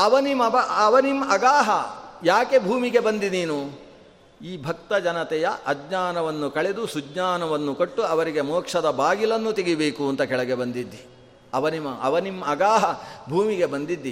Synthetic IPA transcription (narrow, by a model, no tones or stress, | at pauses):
ɐʋɐnimɐbɐɐʋɐnimɐɡaːɦɐjaːke̞bʱuːmiɡe̞bɐnd̪iniːnu | iːbʱɐkt̪ɐd͡ʒɐnɐt̪ɛjɐʔɐɡɲaːnɐʋɐnːukɐɭe̞d̪usud͡ʒɲaːnɐʋɐnːukoʈːuɐʋɐɾiɡe̞mɔːkʂɐd̪ɐbaːɡilɐnːut̪iɡibeːkuɐnt̪ɐkɛɭɐɡebɐnd̪id̪ːi | ɐʋɐnimɐɐ̰ʋɐnimɐɡaːɦɐbʱuːmiɡe̞bɐnd̪id̪ːi